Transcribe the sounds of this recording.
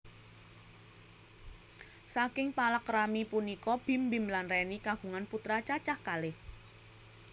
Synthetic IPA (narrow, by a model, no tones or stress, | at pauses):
sakɪŋpalakɾamipunikɔb̥i̤mbi̤mlanrɛnikaɡ̥ṳŋanput̪ɾat͡ʃat͡ʃahkalɪh